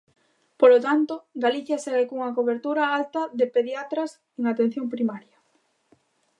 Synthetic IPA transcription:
polot̪ant̪oɡaliθjɐsaɣekouŋɐkoβeɾt̪uɾɐalt̪ɐðɪpeðjat̪ɾas | eŋat̪ẽn̟θjoŋpɾimaɾjɐ

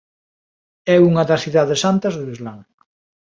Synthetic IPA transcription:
ɛuŋɐðɐsθiðaðesant̪ɐzðeβizlaŋ

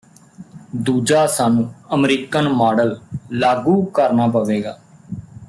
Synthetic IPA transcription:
d̪uːd͡ʒaːsaːnũːəmɾiːkənmaːɽəllaːɡuːkəɾnaːpəʋeːɡaː

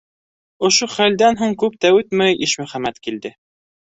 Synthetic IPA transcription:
ŏʃoχæld̪ænɦuɴkʉp̚t̪æʉt̪mæjʔiʃmɵ̆χæmæt̪kild̪ɘ

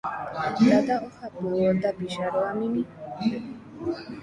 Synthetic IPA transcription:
ɾad̪aɔχad̪muɔd̪abiʃaɾamini

